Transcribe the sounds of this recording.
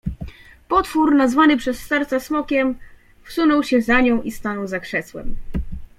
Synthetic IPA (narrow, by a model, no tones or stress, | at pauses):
pɔt̪fuɾnazvanɘpʂɛsːɛɾt̪sasmɔkʲɛm | fsunɔwɕɛzaɲɔ̃w̃ʔist̪anɔwzakʂɛswɛ̰m